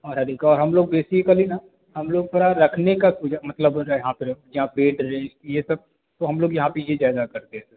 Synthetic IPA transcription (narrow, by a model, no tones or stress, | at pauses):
ɔːɾɦɐɾiːkɔːɾɦɐmloːɡ̚beːsikəlina | hɐmloːɡ̚pɐɾaɾɐkʰnekasuːd͡ʒamɐt̪ləbjɐɦãpɪɾjɐɦãpeːʈɾẽːd͡ʒkijesɐb̚ | t̪oɦɐmloːɡjɐɦãpejezaːɪzakɐɾt̪eɦɛ̃e